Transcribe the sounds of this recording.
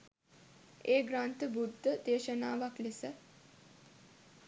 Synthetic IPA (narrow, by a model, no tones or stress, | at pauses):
eːɡɾaːnt̪əbud̪ʱːəd̪eːʃənaːʋaklisə